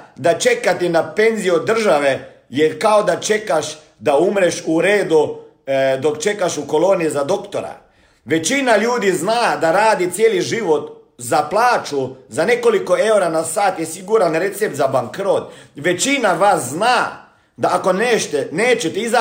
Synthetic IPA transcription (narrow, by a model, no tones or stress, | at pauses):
d̪at͡ʃe̞kat̪enape̞nzijod̪r̩ʒaʋe | jeɾkaod̪at͡ʃe̞kaʃ | d̪aumɾeʃuɾeːd̪u | d̪o̞kt͡ʃe̞kaʃuko̞loːnijizad̪o̞kt̪oɾa̰ | ʋe̞t͡ʃinaʎuːd̪iznaːd̪aɾaːd̪it̪sjeːliʒiʋo̞t̪ | zaplˠaːt͡ʃuzane̞ko̞liko̞e̞uɾanasaːt̪jesiɡuɾanɾet̪sep̚t̪zabaŋkɾot̪ʋe̞t͡ʃinaʋasznaː | d̪aːko̞neːʃt̪eneːt͡ʃet̪eiza